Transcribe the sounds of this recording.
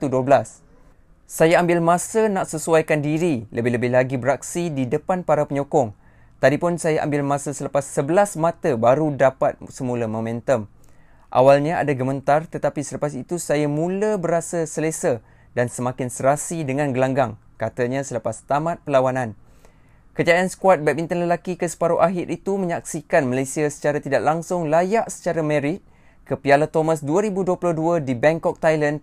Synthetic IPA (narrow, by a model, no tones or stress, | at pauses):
t̪uduəbəlasː | ajaambɪlmãsənãʔsəsuajkandiɾiləbɪhləbɪhlaɡibəɾak̚sididəpanpaɾapəɲɔkɔŋ | t̪adipʊnsajaʔa̰mbɪlmãsəsələpasːəbəlasmãt̪əbaɾudapat̪̚səmũləmõmɛ̃nt̪əm | ʔa̰walɲaa̰daɡəmə̃nt̪art̪ət̪apisələpasit̪usajamũləbəɾasasəlesa | dansəmãkɪnsəɾasidəŋãnɡəlaŋɡaŋ | kat̪aɲãsələpast̪amãt̪̚pəlawanãn | kəd͡ʒaansə̥kuat̪̚bɛbint̪ənləlakikəsə̥paɾoʔaɦɪɾʔit̪umə̃ɲak̚sikanməlajsiasə̥t͡ʃaɾat̪idaʔlaŋsʊŋlajaʔsə̥t͡ʃaɾamɛ̃ɾɪt̪̚ | kəpialat̪omasduaɾibuduəplohduadibɛŋkɔk̚t̪ajlan